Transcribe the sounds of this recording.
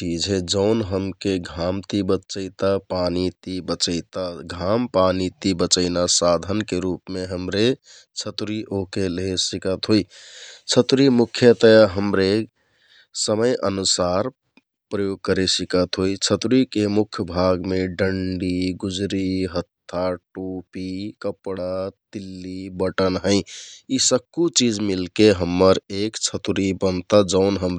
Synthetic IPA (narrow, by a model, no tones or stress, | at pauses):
ʈid͡ʒʱed͡ʒəʊnɦəmkeɡʱamt̪ibət͡ʃəɪt̪apanit̪ibət͡ʃəɪt̪aɡʱampanit̪ibət͡ʃəɪnasad̪ʱənkeɾupmeɦəmɾe | t͡ʃʰət̪ɾiʔokelesikət̪ɦojt͡ʃʰət̪ɾimukʰjət̪əjaɦəmɾe | səməjʔənusaɾ | pɾəjoɡ̚kəɾesikət̪ɦoit͡ʃʰət̪ɾikemukʰjəbʱaɡmeɖəɳɖiɡud͡ʒɾiɦət̪ʰːaʈupikəpɽat̪ilːibəʈənɦəɪ̃isəb̚kut͡ʃid͡ʒmilkeɦəmːəɾekt͡ʃʰət̪ɾibənt̪ad͡ʒəʊnɦəmɾ